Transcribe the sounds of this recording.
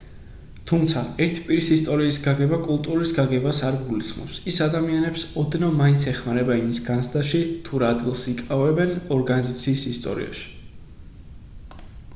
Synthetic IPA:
t̪ʰumt̪sʰaɛɾt̪ʰipʼiɾisist̪ʼɔɾiːsɡaɡɛbakʼulˠt̪ʼuɾisɡaɡɛbasaɾɡulismɔ̰psisad̪amianɛpsɔd̪nɔmaint̪sʰɛχmaɾɛbaimisɡansʰd̪aʃit̪ʰuɾaːd̪ɡilˠsikʼavɛbɛnɔɾɡanizat̪sʰiːsist̪ʼɔ̰ɾḭa̰ʃi̥

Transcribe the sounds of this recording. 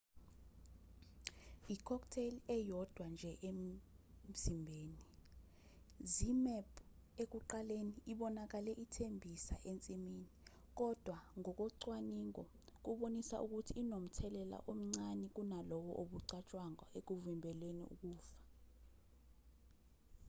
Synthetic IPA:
ikʰɔktʰelɛjɔd̥ʱwand͡ʒʱɛʔem̩ | zimbʱeːni | zimɛpʰʼek̬uǃaleniːɓɔnak̬alɛʔitʰembʱisa̰ʔent͡sʼimini | k̬ɔd̥ʱwaŋɔk̬ɔǀwaniŋɔ̰ | k̬uɓonisa̰ʔuk̬utʰiːnom̩tʰɛlɛla̰ʔom̩ŋ͡ǀanɛk̬unalɔwɔ̰ʔoɓuǀat͡ʃʼwaŋɔek̬uvimbʱɛlwenḭṵk̬ʼuːfḁ

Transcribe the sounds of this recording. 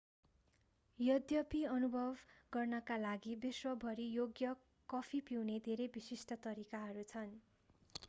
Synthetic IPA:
jʌd̪jʌpiʌnubʱʌbɡʌrnʌkalaɡibiswʌbʱʌɾijoɡjʌ | kʌpʰipiwned̪ʱeɾebisisʈʌt̪ʌɾikaɦʌɾut͡sʰʌn

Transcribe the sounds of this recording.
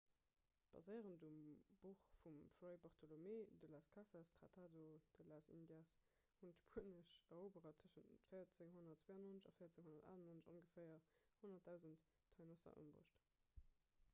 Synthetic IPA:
b̥ɑ̰zəɪəʁəndumb̥uχfumfʁeɪbaʁtʰolomedəlaːskʰasastʁa̰tʰaːdod̥əlaːsḭndjas | huntʃpʰuənəʃɐʁoːbəʁɐtʰəʃənfəjɐt͡səŋɦonɐtt͡sw̥eːɑnonəʃɑ̰fəɪjɐt͡seŋhonɐta̰ːlɑnonəʃo̰ŋɡəfɛɪɐhonɐt̚d̥aʊzəntʰː | ɑɪnosɐ̰ʔə̰mbo̰ʃt

